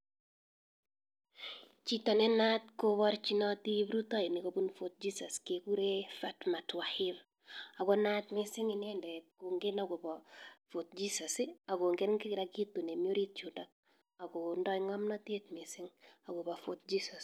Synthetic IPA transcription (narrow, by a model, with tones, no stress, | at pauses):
t͡ʃi˦tɔ˨nɛ˦natko˦βɔ˦ɾt͡ʃi˦nɔ˦ti˦bɾu˦tɔ˦ini˨kobu˦nfot̪̚d͡ʒisɔ˨skeku˦ɾefatma˨twahɪɾ | a˨ɡɔna˦tmɪ˦sɪ˦ŋi˨ne˦ndɛ˨t̚ko˨ŋɡenaɡo˨bɔfo˨t̚d͡ʒisa˨sɪa˨ɡo˨ŋɡe˦nkɪ˦kɪ˨ɾa˦ki˦tːu˨ne˨mio˦ɾi˦t̚t͡ʃu˨da˨k̚ | a˨ɡo˨ndɔ˦ŋɔ˦mnɔ˦te˦tmɪ˨sɪ˦ŋa˨ɡo˨bɔ˨fot̚d͡ʒisɔs